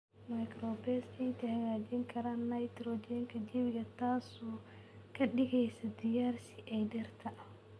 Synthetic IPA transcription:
mɐjkɾɔːbɛsɛjt̪ʰɐhɐɣaːd͡ʒɪŋkʰɐɾaːnːɐjt̪ɾɔːd͡ʒɛŋkʰɐd͡ʒɛwɪɣɐt̪ʰaːsu | kʰɐɗɪɣɛjsɐd̪ɪjaːrsɪʔɛjdɛrt̪ʰɐ

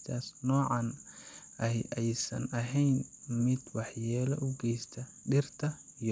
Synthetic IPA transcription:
t̪ʰaːsnɔːʕɑn | ɐɦʔɛjsɐ̰nɐɦɛjnmɪd̪̥wɑħjɛːlɐʔʊɡɛjst̪ʰɐ | ɖɪrt̪ʰɐ | ij

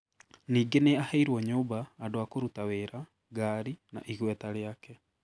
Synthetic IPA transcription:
niːɡeneahaiɾwɔɲoːbaːdoakoɾutaweːɾa | ɡaːɾina̰ʔiɣwɛtaɾeakɛ

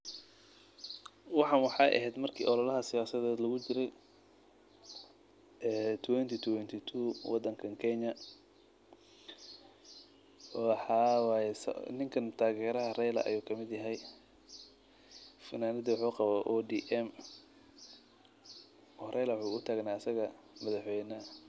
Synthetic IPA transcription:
wɑħɑnwɑħɑʔɐ̰ɦɛːd̪mɐrkʰḭːʔɔlɔlɐɦɐsɪjaːsɐðɛːd̪lɐɣʊt͡ʃɪɾɛj | ɛːt̪ʰwɛnt̪ʰit̪ʰʊwɛnt̪ʰit̪ʰuːwɑd̪ːɐŋkʰɐŋkʰɛɲɐ | ħɑːwjɛsnɪŋkʰɐnt̪ʰaːɣɛːɾɐɦɐrɛjlɐ̰ʔɐ̰juːkʰɐmɪd̪jɐɦɛj | fɐnaːnɪðɐwʊħuːqɑβaːʔɔd̪iːʔɛm | hɾʔɛjlɐwħuːʊt̪ʰaːɡnaːɐsɐɣɐ | mɐðɐħwɛjnɐ

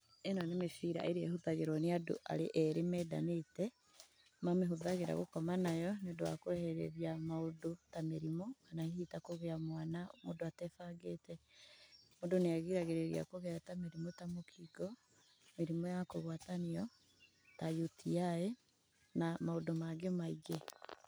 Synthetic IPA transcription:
enɔnemefiɾa̰ʔeɾeehuðaɣeɾwɔneado̰ʔa̰ɾeʔɛɾemɛdanetɛ | mameɦoðaɣeɾa̰ɣo̰kɔmanajɔnedoa̰koɛhɛɾɛ̰ɾiamaodotameɾimoanahihitakoɣeamwanamo̰ːndoatɛfaɡetɛ | modoneaɣiɾaɣeɾeɾḭa̰koɣeatameɾimotamokʰiɡɔ | meɾimɔjakoɣwataniɔ | tajutʰiae | namaodomaɡemaiɡe

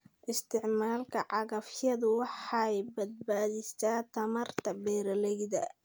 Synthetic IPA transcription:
ʔɪst̪ʰɪʕmaːlkʰɐʕɑɣɐfjɐðʊwɑħɑjbɐd̪̚baːðɪst̪aːt̪ʰɐmɐrt̪ʰɐbɛːɾɐlɛjðɐ̰

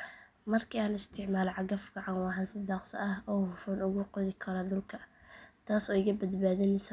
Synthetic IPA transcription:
mɐrkʰiːaːnɪst̪ʰɪʕmaːlʕɑɡɐfɡɐʕɑwɑɦɐnsɐd̪ɑːqsɐ̰ʔɐhɔːhʊfʊnʊɣʊqʊðɪkʰɐɾɐd̪ʊlkʰɐt̪ʰaːsɔːɪkʰɐbɐd̪baːðɪnɛs

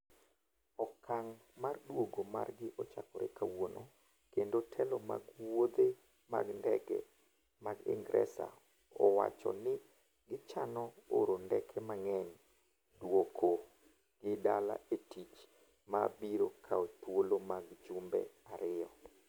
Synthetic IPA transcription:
ɔkʰaŋ | mardwoɡoma̰rɡɪʔɔt͡ʃakɔɾḛkawono | kendotʰɛlɔma̰ɡwod̪e | ma̰ɡndɛkɛ̰ | maɡɪ̰ŋɡɾɛ̰sa̰ | ɔwa̰t͡ʃɔ̰nɪ | ɡɪt͡ʃanɔoɾondɛkʰɛmaŋɛɲ | dwokʰo | ɡ̥ɪdala̰etit͡ʃ | mabiɾokʰaot̪wolomaɡt͡ʃumbɛ̰aɾɪjɔ

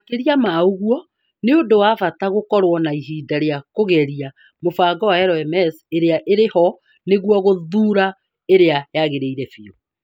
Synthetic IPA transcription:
keɾiamaoɣuɔ | neondowavataɣokɔɾwɔnaiɦiːdaɾeakoɣɛɾia | mofaɡɔwaɛɾɔɛmɛseɾeaʔeɾehɔ | neɣuɔɣoðuːɾa | eɾeajaɣeɾeiɾɛfio

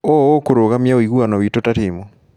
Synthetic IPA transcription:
ookoɾoɣamjaoiɣwanɔwitotatimɔ

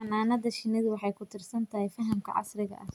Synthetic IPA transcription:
ɐmaːnɐðɐʃɪnɪðʊwɑħɑjkʰʊt̪ʰɪrsɐnt̪ʰɐhɛjfɐɦɐmkʰɐ̰ʕɑ̰srɪɣɐ̰ʔɐh

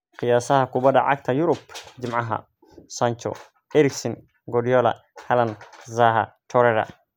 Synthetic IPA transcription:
qɪjaːsɐɦɐkʰʊbɐd̪ɐʕɑ̰ɡ̚t̪ʰɐjʊɾʊbd͡ʒɪmʕɑɦɐ̰ | saɲt͡ʃɔ̰ | ɛɾɪksɔn | ɡɔdijɔlɐ̰ | hɐlɐnzaːɦɐ̰t̪ʰɔɾɛɾɐ̰

